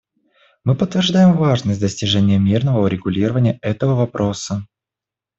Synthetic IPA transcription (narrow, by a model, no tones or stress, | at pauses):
mɨpət̪ːvʲɪrʐd̪ajɪmvaʐnəsʲt̚ʲd̪əsʲtʲɪʐɛnʲɪjəmʲirnəvəʊɾʲɪɡʊlʲiɾəvənʲɪjəʔɛt̪əvəvɐpɾʔo̞sə